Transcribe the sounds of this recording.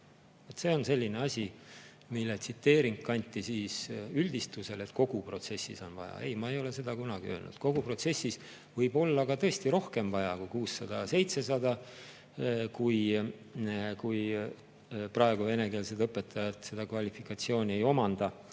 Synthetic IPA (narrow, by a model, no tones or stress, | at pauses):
vot̪se̞ːo̞nse̞lʲːine̞ɑsʲi | milːet̪sit̪ːe̞ːɾiŋkkːɑnʲt̪ːˑisiːsyld̪̥ist̪use̞le̞t̪ko̞ɡ̥upro̞t̪se̞sːḭso̞nvɑjɑ̰e̞̰jmɑe̞jo̞le̞se̞d̪̥ɑkunɑɡ̥iø̞ːlnṵd̪̥ko̞ɡ̥upro̞t̪se̞sːis | vɤjb̥o̞lːɑɡ̥ɑt̪ɤest̪iɾo̞hke̞mvɑjɑkujkuːsːɑd̪̥ɑse̞jt̪se̞sɑd̪ɑ | kuj | kuj | prɑe̞ɡ̥uve̞ne̞ke̞ːlsed̪ɤpːˑe̞t̪ːˑɑjɑt̪se̞d̪ɑkvɑlʲifikːˑɑt̪sio̞ːnʲie̞jo̞mɑnd̪̥ɑ